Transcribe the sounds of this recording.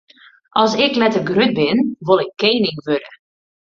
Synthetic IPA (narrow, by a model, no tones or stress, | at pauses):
ʔɔlˠsɪklɛtərɡrøt̚bɪnʋolˠɪkʰːeːnɪŋʋødə